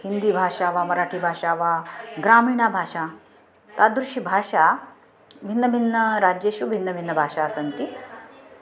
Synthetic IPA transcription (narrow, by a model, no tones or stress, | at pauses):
hind̪ibʱaʂaʋamɐɾaʈʰiːbʱaʂaʋaɡɾamiːɳ̃abʱaʂa | t̪ad̪ɾuɕibʱaʃa | bʱinːəbʱinːəɾad͡ʑjeɕubʱinːəbʱinːəbʱaʂaəsənt̪i